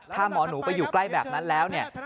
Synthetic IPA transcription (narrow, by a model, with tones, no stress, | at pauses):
t̪ʰaː˥˩mɔː˩˦nuː˩˦˥pa˧jːuː˨˩kla˥˩jbɛː˨˩p̚na˦˥nlɛː˦˥wni˥˩ɐ